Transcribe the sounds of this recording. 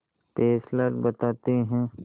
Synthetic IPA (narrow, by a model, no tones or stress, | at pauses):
peːsləɾbɐt̪aːt̪eɦɛ̃ː